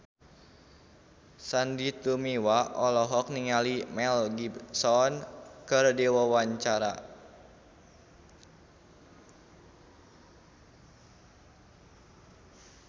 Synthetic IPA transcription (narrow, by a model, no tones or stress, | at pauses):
sandit̪umiwaʔɔlɔɦɔk̚niŋalimɛlɡibsɔnkərdiwɔwaɲt͡ʃaɾa̰